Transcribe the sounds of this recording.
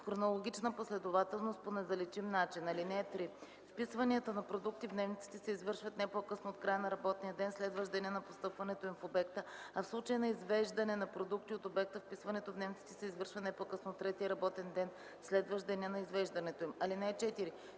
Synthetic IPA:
xɾonolˠoɡʲit͡ʃnəposlɛd̪ovat̪ɛlˠnost̪̚ponɛzɐlɛt͡ʃimnat͡ʃinɐlinɛːt̪ɾi | fpisvɐniət̪ənɐpɾod̪uk̚t̪ivd̪nɛvnit̪si̥t̪ɛsɛizvɤɾʃvət̪nɛpokɤsnoot̪̚kɾajənɐɾɐbɔt̪nijəd̪ɛnslɛd̪vəʒd̪ɐniənɐpost̪ɤpvɐnɛt̪oimfobɛk̚t̪əɐfslˠut͡ʃəjənɐizvɛʒd̪ɐnɛnɐpɾod̪ukt̪iot̪obɛk̚t̪əfpisvɐnɛt̪ovd̪nɛvnit̪it̪ɛ̥sɛizvɤɾʃvɐt̪nɛpokɤsnot̪ːɾɛt̪iəɾɐbɔt̪ɛnd̪ɛn | slɛd̪vəʒd̪ɐniənɐizvɛʒd̪ɐnɛt̪oimɐlinɛːt͡ʃɛt̪iɾi

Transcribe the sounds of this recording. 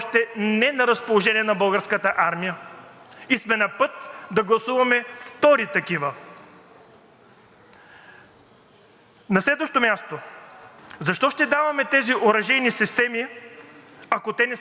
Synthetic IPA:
ʃt̪ɛnɛnɐɾɐspolˠoʒɛnʲiɛnɐbɤlˠɡəɾskət̪əʔaɾmijə | ismɛnɐpɤt̪d̪ɐɡlˠɐsuvɐmɛft̪ɔɾit̪ɐkivə | nɐslɛd̪vəʃt̪omʲjast̪o | zɐʃt̪ɔʃt̪ɛd̪avɐmɛt̪ɛziʔoɾɐʒɛjnisist̪ɛmi | ɐkot̪ɛnɛ

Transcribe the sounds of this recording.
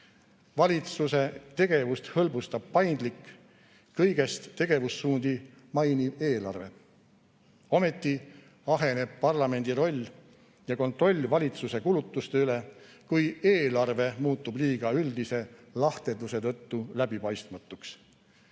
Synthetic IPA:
vɑlʲit̪suse̞t̪e̞ɡ̥e̞vust̪hɤlbust̪ɑb̥̚pɑjnd̪likː | kɤjɡ̥e̞st̪ːe̞ɡ̥e̞vusːuːnd̪i | mɑjnib̥e̞ːlɑ̰rve̞ | o̞me̞t̪ːˑi | ɑɦe̞ne̞b̥̚pɑrlɑme̞nʲd̪̥iɾo̞lʲː | jɑko̞nt̪ˑro̞lʲːvɑlʲit̪suse̞kulut̪ːˑust̪eyle̞ | kujeːlɑrve̞muːt̪ːˑubliːɡ̥ɑyld̪ise̞lɑht̪e̞d̪use̞t̪ɤ̞t̪ːulæb̥ipɑjst̪mɑt̪ːˑuks

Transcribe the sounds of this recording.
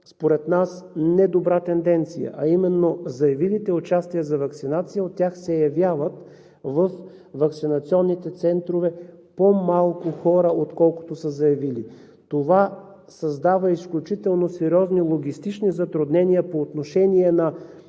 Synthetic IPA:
spoɾɛt̪nasnɛd̪obɾat̪ɛnd̪ɛnt̪sijə̰ʔɐimɛnːozɐjɐvilit̪ɛot͡ʃast̪ijəzɐvɐktsinat̪sijəot̪ːʲjaxsɛjɐvʲjavət̪ | vəf | vɐksinɐt̪siɔnːit̪ɛt̪sɛnt̪ɾovɛ | pomalˠkʊxɔɾəot̪kɔlˠkʊ̥t̪osəzɐjɐvili | t̪ova | sɐzd̪avəisklʲut͡ʃit̪ɛlˠnosɛɾʲiɔznilˠoɡʲist̪it͡ʃnizɐt̪ɾʊd̪nɛnijəpoːt̪noʃɛniɛnɐ

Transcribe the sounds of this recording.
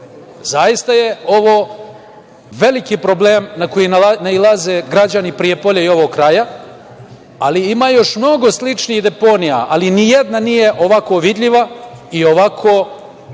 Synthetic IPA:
zajist̪aje̞o̞ʋoː | ʋe̞likipɾo̞bleːmnako̞jinnailˠaze̞ːɡɾad͡ʑanipɾije̞po̞ʎeio̞ʋoɡkɾaja | aliimaːjo̞ʃmno̞ɡo̞slit͡ʃniːɣd̪e̞po̞nija̰ʔalinije̞d̪nanije̞ʔo̞ʋako̞ʋid̪ʎiʋaio̞ʋakʰoː

